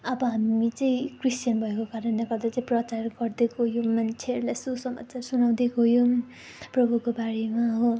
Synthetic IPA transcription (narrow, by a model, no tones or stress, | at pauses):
ʌbʌɦamit͡sʌĩkristjʌnbʱʌekokaɾʌnleɡʌld̪at͡saĩprʌt͡sarɡʌrd̪ekojomant͡sʰeɾlajsusʌma̰t͡sarsunaw̃d̪ekojo | prʌbʱukobaɽemaɦo